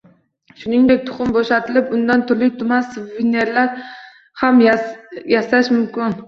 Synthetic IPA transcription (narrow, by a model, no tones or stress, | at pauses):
ʃʊnɪŋd̪e̞k̚ʲt̪ʰʊ̥χʊmboʃat̪ʰɪlɪpʊnd̪ant̪ʰʊɾlɪk̚ʲt̪ʰʊmansvɪne̞ɾlaɾ | hamjjasaʃmʊmkʲɪn